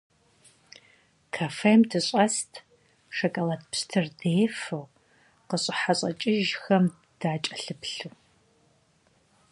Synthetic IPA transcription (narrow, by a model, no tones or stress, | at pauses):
kʰafemdʰɨɕʼɐstʰ | ʂɐkʼɐlɐtpstʰɨrdeːfɨw | qəɕʼɪħaɕʼɐt͡ʃʼɪʒxɐm | d̥aːt͡ʃʼɐɬɨpɬɨ